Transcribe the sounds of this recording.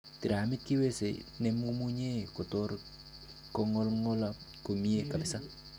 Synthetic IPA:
ti˨ɾa˨mɪ˦t̚ki˦we˦sḛnɛ˦mu˦mu˦ɲe˦ko˨tɔɾ | kɔ˦ŋɔ˦lŋɔ˦la | ko˨mi˦e˦ka˨lɪsa˦

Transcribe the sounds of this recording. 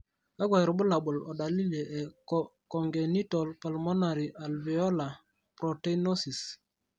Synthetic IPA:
a˦ɡwa˨ɾbu˦la˨ɓʊ˨lɔ˨da˨li˦le˨ʔɛ˨kɔ˨ŋɡe˨ni˦tɔ˨lpa˨lmɔ˦na˨ɾi˨ʔa˨lvi˨ɔ˦la˨ | pɾo˨te˦no˦si˨s

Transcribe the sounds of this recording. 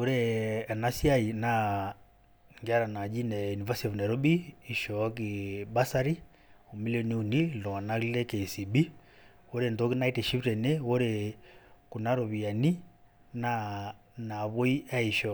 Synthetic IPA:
o˦ɾeɛ˨na˦sja˦i˨na | ŋɡa˦ɾa˨na˨d͡ʒi˦nɛjuni˨vasitɔ˨vna˨ɾɔ˦biː˨ʃɔk̬iba˦saɾi˦ | o˨mi˦liɔni˦undi˦lɔ˨a˨na˦lɛ˦kesi˨bi˦ | wo˦ɾe˨nto˦ki˦na˦itɛʃi˦pɾɛ˨newo˦ɾe | ku˨na˦ɾo˨βia˨ni˦ | na | na˨βo˦i˦a˦i˨ʃɔ

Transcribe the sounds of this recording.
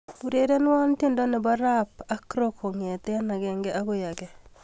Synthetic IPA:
bu˨ɾe˦ɾe˦n˦wa˦nte˦ndɔ˦nɛ˨ba˦ɾapa˦kɾo˦kʰo˨ŋe˨t̪ɛ˦a˦na˨ɡɛ˨ŋɡɛ˦ʔa˦ɡo˦ja˨ɡɛ˨

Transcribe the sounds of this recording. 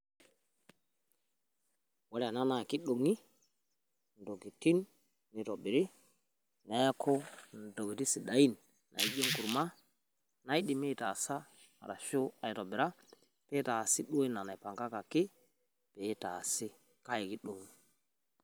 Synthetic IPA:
wa˦ɾa˨na˦na˨ki˦ɗo˨ŋːi˦ | ndo˨ɡi˨ti˦nː | i˨to˨bi˨ɾi˦ | na˨˦ja˦kʰo˦n˨do˨ɡi˨ti˦si˨ɗa˨ji˦nː | ʔa̰˨ji˦d͡ʒo˦ŋku˨ɾma˦ | na˨jɗi˨mi˦˨ta˨sa˦ | ma̰˨ɾa˨ʃo˦a˨i˨to˨bi˨ɾa˦ | pe˦ta˨si˦ɗu˦e˦na˨na˨pa˨ŋka˦ka˨ki˦ | pe˨˦ta˨si˦ | ka˦ji˨ki˦ɗo˨ŋi˦˨

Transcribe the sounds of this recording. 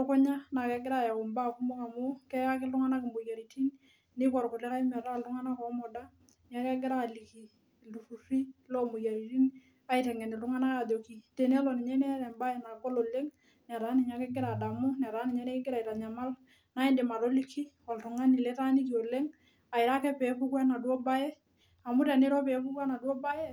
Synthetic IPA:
tʊ˦kɔ˦ɲa˦na˨kɛ˦ɡɪ˦ɾa˦˨ja˨kʊ˨mba˦˨ku˦mo˦ka˨mʊ˦kɛ˦ja˦kɪ˦lʊ˦ŋa˦na˦kɪ˨mo˨ja˨ɾi˨ti˦n | nɪ˦kɔ˨ɾko˨le˦ka˦i˦mɛ˨ɾa˦˨ldu˦ŋa˦na˦kɔ˨˦mɔ˨da˦ | n˦a˦kɛ˦ɡɪ˦ɾa˦˨li˨ki˨ | lu˨fu˨si˦lo˦mo˨ja˨ɾi˨ti˦n | a˨ɪtɛ˨ŋɛ˨nɪ˨lu˦ŋa˦na˦ka˨do˨ki˨te˨nɛ˦lɔ˨nɪ˨ɲɛ˦nɛ˦ɾɛ˨mba˦e˨na˨ko˦lo˨le˦ŋ | nɛ˨ɾa˦ni˨ɲa˦kɛ˦ɡɪ˦ɾa˨da˨mʊ˦n˨a˨ɾa˨˦ni˨ɲɛ˦nɛ˦ɡɪ˦ɾa˨i˨ta˨ɲa˨ma˦l | na˦i˦ndɪ˨ma˨ɾo˦li˦kʰi˦ | ɔ˨ltu˨ŋa˦ni˨lɛ˦ta˦ni˦t̬jo˨le˦ŋ | a˨ɪ˨ɾa˦kɛ˦pɛ˨˦pu˦kwa˦na˨dwɔ˦ba˦jɛ˦ | a˨mu˦ɾɛ˨nɪ˦ɾɔ˦pɛ˨˦pu˦kwa˦na˨dwɔ˦ba˦jɛ˦

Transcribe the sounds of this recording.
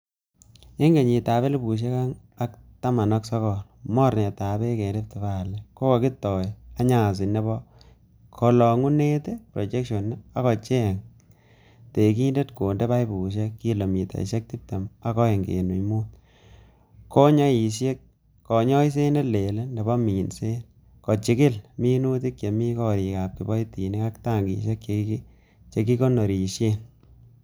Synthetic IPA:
e˦ŋɡe˨ɲi˨ta˨be˦le˦bu˨ʃ̬e˦ka˦ŋ | a˦kta˦ma˨nɔ˦ksɔ˦kɔ˨lmɔ˦ɾne˨ta˨be˦ke˨nde˦p̚ti˨ba˦˨le˨ko˦ko˨ki˦tɔ˨ja˦ɲa˦˨sɪ˨ne˦bɔ˦ | kʰo˨lɔ˨ŋu˦ne˦te˦pɾo˨t͡ʃe˦kʃo˨nː˦a˦kɔ˨t͡ʃe˦˨ŋ | te˨ki˦nde˦tko˨nde˦ba˦jbu˨ʃ̬e˦kːi˦lo˨mi˨ta̰˨ʃe˦k̚ti˦p̚te˨ma˦kɔ˦je˨ŋɡḛ˨nṵ˨mu˦t̚ | ko˦ɲɔ˦i˨ʃje˦k̚ | kːɔ˨ɲɔ˦i˦s̬e˦ne˦le˨le˦nde˨ba˦mi˨nse˦n | kɔ˨t͡ʃi˨kɪ˦lmi˦nu˦t̬i˦kje˨mi˦kɔ˦ɾi˨ka˨p̚ki˨bɔ˦jti˨ni˦ka˦kta˦˨ŋɡḭ˨ʃe˦kje˨ | t͡ʃe˨ki˦ko˦no˨ɾi˨ʃje˦n

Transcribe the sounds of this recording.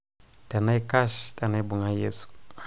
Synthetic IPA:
ta˨na˦jka˦ʃta˨na˦jbu˨ŋa˦jḛ˦su̥˨

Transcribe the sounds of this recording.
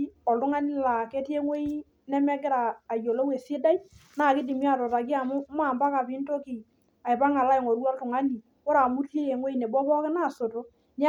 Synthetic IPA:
ɔ˨ltʊ˦ŋa˦ni˦la˨ke˦te˦ŋwe˦i˦ | nɛ˦mɛ˦k̬ɪ˦ɾaː˨jo˨lo˦we˨sɪ˦da˦ji˦na˦˨kɪ˦di˨m˦a˨tɔ˨ta˨k̬i˦a˨mʊ˦ma˦˨mba˦ka˨pɪ˨˦nto˦kɪ˨ | a˨ɪ˨pa˦ŋa˨la˦ɪ˨ŋo˨ɾu˦ɔ˦ltʊ˨ŋa˦ni˨ | kɔ˦ɾa˨mu˦te˦je˨ŋwe˦i˦nɛ˨bɔ˦pɔ˦kɪ˦na˦˨so˨to˦ | n˦

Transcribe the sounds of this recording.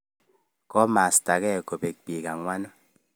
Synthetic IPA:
kɔ˦ma˨sta˨kɛ˦˨ko˨pe˨k̚k͡pi˨ka˨ŋwa˦nɔ˦

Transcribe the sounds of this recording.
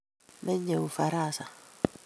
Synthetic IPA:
mɛ˦ɲe˨u˨fa˨ɾa˦˨sa˨

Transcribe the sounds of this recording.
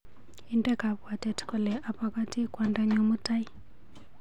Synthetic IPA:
indɛ˦ka˨βwa˨tɛtkɔ˨lɛ˨ʔa˨paka˦ti˦kwandaɲɔ˨mu˦ta˦i˦

